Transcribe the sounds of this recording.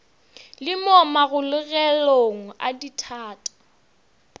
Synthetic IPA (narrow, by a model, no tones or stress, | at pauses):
lɪmɔmaɣʊlʊɣɛloŋ̩a̰ditʰaːtʼḁ